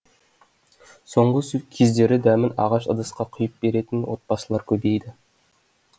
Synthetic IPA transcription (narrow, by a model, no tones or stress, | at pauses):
so̞ɴʁəskʲʰezd̪e̞ɾɪd̪æmɪnɑ̰ʁɑʃɑ̰d̪əsqɑqʰʊjəp̚be̞ɾe̞t̪ɪnwo̰t̪̚pɑsəlˠɑɾkʲʰɵbe̞jd̪ɪ